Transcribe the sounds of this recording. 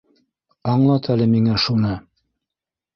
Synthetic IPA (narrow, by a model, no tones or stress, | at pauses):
ɑɴlˠɑt̪ælɘmiŋæʃunɤ